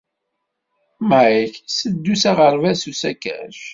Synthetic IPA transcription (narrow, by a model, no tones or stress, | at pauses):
maiçsəd̪ːusaʁəɾvæsusækæ̰ʃ